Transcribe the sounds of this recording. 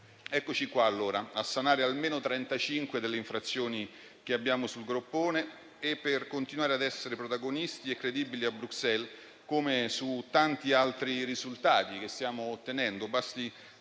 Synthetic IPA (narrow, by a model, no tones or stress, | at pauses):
ɛkːot͡ʃikwaːlːoːɾaasːanaːɾealmeːnot̪ɾɛnt̪at͡ʃiŋkwed̪elːeiɱfɾat̪sːjoːni | k̟eabːjaːmosulɡɾopːoːneː | pːerkont̪inwaːɾead̪ɛsːeɾepɾot̪aɡonist̪iekːɾed̪iːbiliabɾuksɛl | komesut̪ant̪ialt̪ɾirizult̪aːt̪ikest̪jaːmoːt̪ːenɛnd̪obast̪i